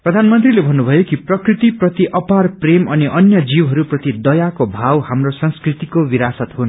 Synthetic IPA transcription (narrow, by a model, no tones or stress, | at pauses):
pprʌd̪ʱanmʌnt̪rilebʱʌnːubʱʌjokiprʌkrit̪iprʌt̪iʔʌparpremʌniʔʌnjʌd͡ziwɦʌɾuprʌt̪id̪ʌjakobʱawhamrosʌnskrit̪ikobiɾasʌt̪ɦun